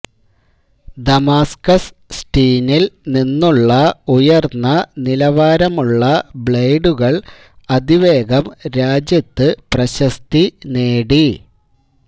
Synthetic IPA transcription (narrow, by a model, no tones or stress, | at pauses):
d̪ɐmaːskɐssʈiːnilninːuɭːɐujɐrnːɐnilɐʋaːɾɐmuɭːɐbɭejɖuɣɐɭ | ɐd̪iʋe̞ːɡɐmɾaːd͡ʑjɐt̪ːɨprɐɕɐst̪ineːɽi